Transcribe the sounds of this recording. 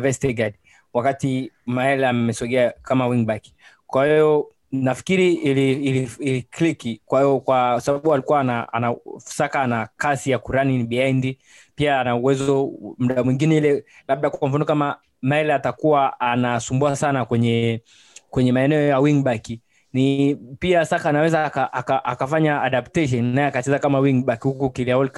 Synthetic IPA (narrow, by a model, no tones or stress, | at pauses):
vɛstɛɡad | wakatimaɛlɛamɛsɔɡɛakamawiŋbaki̥ | kwahijɔ | nafi̥kiɾiliːliiliklikikwahijɔkwasaɓaɓualikuwanaa̰nafu̥sakaːnakasijakuɾaninɓiaindi | piaːnauwɛzɔm̩ɗamwiŋɡinɛilɛlaɓ̚ɗakam̩fanɔkama | maɛlatakuwaanasumbuasanakwɛɲɛ | kwɛɲɛmaɛnɛɔjawiŋɓaki | nipiasakaːnawɛzakaʔakaʔakafaɲaːɗaptɛʃ̬ɔnnajɛakat͡ʃɛzakamawiŋɓakihukukiliaɔlk